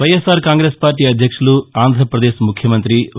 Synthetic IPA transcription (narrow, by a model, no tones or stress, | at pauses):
ʋɐjesaːɾkaːŋɡɾeːspaːɾʈiːɐd̪ʱjɐkʂuluaːnd̪ʱɾɐɾɐpɾɐd̪e̞ːʃmukʰjɐmɐnt̪ɾi